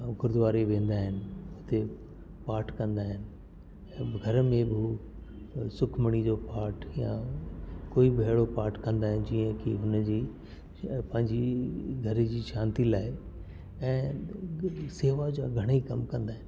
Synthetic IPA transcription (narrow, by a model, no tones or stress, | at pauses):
ɡʊɾd̪ʋaːɾeʋẽːnd̪aːɦɪnɪʊt̪e | paːɾʈʰkɐ̃nd̪aːɦɪnɪ̆ | ɛ̃ːɡʱɐɾmẽbɪ | sʊkʰməɽ̃id͡ʑopaːɾʈʰjã | koːibeɪɭopaːɾʈkɐ̃nd̪aːɦɪn̆d͡ʑiːə̃kḭɦʊnd͡ʑiː | pɐ̃ɦɪ̃ɲd͡ʑiɡʱɐɾd͡ʑiːʃãːnt̪ilaːɪ | ɛ̃ː | seːʋad͡ʑa̰ɡʱɐɽ̃ikɐmkɐ̃nd̪aːɦɪnɪ